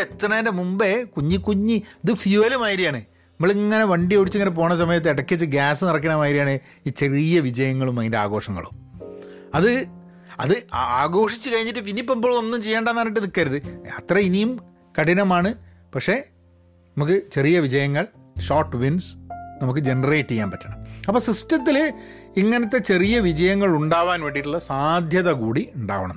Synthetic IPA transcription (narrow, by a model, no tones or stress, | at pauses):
et̪ːrɐɐendemumbe̞kuɲːikːuɲːiɐðɨfjuɐlumaːjiɾijaːɳɨ | nɐmːɐɭiŋŋːɐne̞ʋɐɳɖijoɽit͡ɕːɨŋːɐnep̬o̞ːɳɐs̬ɐmɐjɐt̪ːeːɽɐkːit͡ɕːɨɡaːsɨnirɐk̬ːɐɳɐmaːjiɾijaːɳe | iːt͡ɕe̞rijɐʋid͡ʑɐjɐŋːɐɭumaːjindea̰ːɣo̞ːʂɐŋːɐ̰ɭṵm | ɐðɨ | ɐ̰ðɨaaːɣo̞ːʂit͡ɕːɨkɐɻiɲːiʈːɨp̬inːipːɐmboːɭo̞nːumt͡ɕe̞jːeːɳɖɐenːaːniʈ̬ːɨnikːaːɾɐðɨɐt̪rɐinijum | kɐʈinɐmaːɳɨ | pɐkʂe | nɐmuk̬ːɨt͡ɕe̞rijɐʋid͡ʑɐjɐŋːɐɭ | ʂoːʈːʋinsnɐmukːɨd͡ʑe̞nɐreːʈːijːaːnpɐtːɐɳɐmɐpːoːsistɐt̪̬ːil | iŋːɐnɐt̪ːe̞t͡ɕe̞rijɐʋid͡ʑɐjɐŋːɐɭuɳɖaːʋaːnʋe̞ːɳɖiʈːuɭːɐsaːd̪ʱjɐðɐkuːɽiuɳɖa̰ːʋɐɳɐm